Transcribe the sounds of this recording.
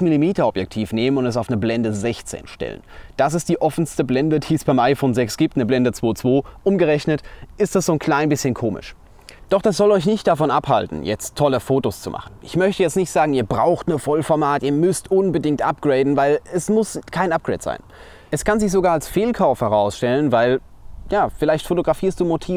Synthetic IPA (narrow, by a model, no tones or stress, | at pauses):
milimiːtɐɔpjɛk̚tʰiːfneːmənʊntɛs̬aʊfnəblɛndəzɛçt͡sḛːnʃtɛ̰lə̰nd̥as̬ɪstd̥iːʔɔfn̩stəblɛndəd̥iːəsb̥aɪmʔaɪfoːnzɛksɡ̥iːp̚tnəblɛndət͡sv̥oːt͡sv̥oːʔʊmɡəʁɛçnətʔɪstd̥asz̥oːnkʰl̥aɪnbɪsçənkʰoːmɪ̰ʃ | d̥ɔχd̥as̬z̥ɔlɔʏç̬nɪçt̚d̥afɔnʔapha̰ltn̩jɛ̰t͡stʰːɔləfoːtost͡sumʔa̰χn̩ʔɪ̰çmœçtəjɛt͡stnɪçtz̥aːɡŋ̩iːɐbʁaʊxtnəfɔlfɔɐmaːtʔiːɐmʏstʔʊnbədɪŋktʔap̚ɡ̥ʁeɪdn̩vaɪlɛsmʊskʰaɪnʔap̚ɡ̥ʁḛːtz̥a̰ɪn | ʔɛskʰanzɪçz̥oɡaːɐalsfeːlkʰaʊfhɛʁaʊsʃtɛlənvaɪl | jaːfɪlaɪçtfotoɡʁafiːɐstd̥uːmotʰiː